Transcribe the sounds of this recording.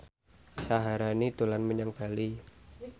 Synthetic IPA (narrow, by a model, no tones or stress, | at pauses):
saɦaɾanid̪̥o̤lanməɲaŋb̥a̤li